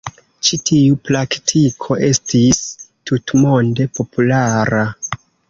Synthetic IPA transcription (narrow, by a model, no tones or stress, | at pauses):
t͡ʃitʰiupɾaktʰikʰo̞ʔe̞stistutmo̞nde̞po̞pulaɾa